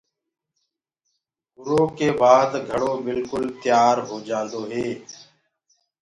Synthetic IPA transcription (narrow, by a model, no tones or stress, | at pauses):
ʊɾoːkeːbaːd̪ɡʱəɽoːbɪlkʊlt̪ɪjaːɾɦoːd͡ʒãːnd̪oːɦeː